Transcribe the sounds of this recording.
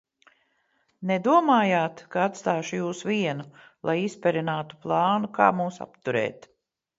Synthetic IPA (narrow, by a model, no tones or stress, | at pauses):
nɛd̪uɔmaːjaːt̪kaat̪st̪aːʃujuːsviɛnu | lˠʔˠajispʲɛɾinaːt̪u̥plˠɑːnuka̰ːmuːsa̰pt̪uɾɛ̰ːt̪